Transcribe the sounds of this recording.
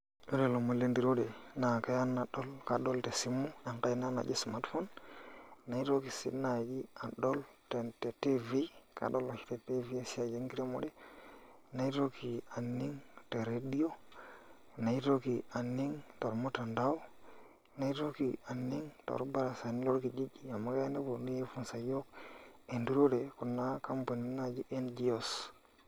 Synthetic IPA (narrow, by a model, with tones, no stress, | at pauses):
o˦ɾe˨lo˨mo˨le˦ndi˨ɾo˦de˨na˨ka˦ja˦nːa˨ɗo˦lka˨ɗo˦lte˨si˦mːu˦ja˨ŋka˦i˦na˦na̰˨d͡ʒi˦sma˦tfo˦n | na˨i˦to˦ki˨sḭ˦na˨d͡ʒi˦a˨ɗo˦lte˨te˨ti˦vi˦kʰa̰˨ɗo˦lo˨ki̥˦te˨ti˦vi˦a˨si˦a˨d͡ʒe˦ŋki˦ɾe˦mo˦de˦ | na˨˦i˦to˦ki˨a˨nːi˦ŋte˨ɾe˦di˦o˦˨ | na˨i˦to˦ki˨a˨nːi˦ŋto˨ɾmo˦ta˨nda˦o˦˨ | na˨˦i˦to˦ki˨a˨nːi˦ŋto̰˨ɾba˦ɾa˨sa˨ni˦lo˦ɾki˨d͡ʒi˦d͡ʒi˨a˨mːa˦ka˦jne˦bo˨ni˦je˦fu˦nsa˨jo˦k̚e˨ndu˦ɾo˦de˨ku˨nːa˦ka˦mpo˨ni˨na˨d͡ʒi˦ʔe˦nd͡ʒi˦o˨s